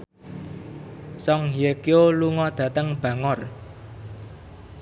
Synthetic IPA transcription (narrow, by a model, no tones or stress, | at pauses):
sɔŋɦiekioluŋɔd̪̥ä̤t̪əŋb̥ä̤ŋɔr